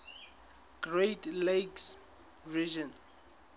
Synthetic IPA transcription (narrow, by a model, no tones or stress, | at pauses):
ɡ̥ɹetleks | ɹid͡ʒɔ̃n